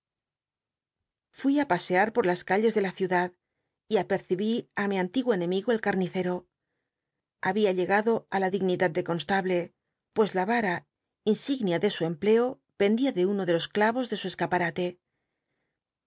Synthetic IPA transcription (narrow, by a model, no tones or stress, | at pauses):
fwiapase̞aɾpo̞ɾlaskaʎe̞zðe̞laθjuðað | iape̞ɾθiβiamiant̪iɣwoene̞miɣoe̞lkaɾniθe̞ɾo̞ | aβiaʎe̞ɣaðo̞alaðiɣniðad̪̚d̪e̞ko̞nst̪aβle̞ | pwe̞zlaβaɾa | insiɣnjaðe̞sue̞mple̞o̞ | pe̞nd̪iaðe̞uno̞ðe̞lo̞sklaβo̞zðe̞sue̞skapaɾat̪e̞